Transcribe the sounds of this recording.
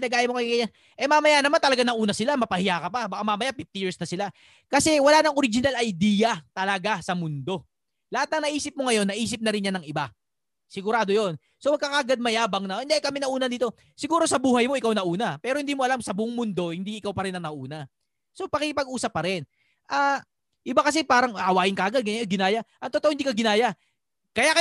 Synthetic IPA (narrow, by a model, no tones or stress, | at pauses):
nɐɡaːjɐmokɐjkɐja | ʔɛmamɐjanɐmant̪ɐlɐɡanɐʔuːnɐsɪlamɐpɐhɪjaːkɐpabɐkamamɐjapɪft̪ɪjɪɹsnɐsɪla | kɐsɛwɐlaːnɐŋo̞ɾɪd͡ʒɪnalʔɐjd̪iːjɐt̪ɐlɐɡasɐmʊnd̪o̞ | lɐhat̪̚nɐŋnɐʔiːsɪp̚moŋɐjo̞nːɐʔiːs̬ɪp̚nɐɾɪnjanɐŋɪba | sɪɡʊɾaːd̪o̞jo̞n | so̞pɐɡ̚kɐkaɡad̪̚mɐjaːbɐŋnɐɪnd̪eʔjkɐmɛnɐʔuːnɐd̪iːt̪o̞ | sɪɡuːɾo̞sɐbuːhɐjmo̞ʔɪkawnɐʔuːnɐpɛːɾohɪnd̪iːmoɐlamsɐbʊʔʊŋmʊnd̪o̞hɪnd̪iʔɪkawpɐɾɪnːɐnɐʔuːnɐ | so̞pɐkɪkɪpɐɡʔuːsɐp̚ːɐɾɪn | ʔaː | ʔɪbakɐs̬ɛpaːɾɐŋʔɐwaːjɪnkɐʔaːɡad̪̚ɡɐɡɪnaːjaʔɐŋt̪ot̪oʔoɪnd̪ikɐɡɪnaːja | kɐjakɐ